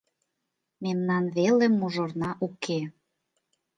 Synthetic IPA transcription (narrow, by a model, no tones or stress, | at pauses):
memnɑnβelĕmːuʒornɑʔukʰe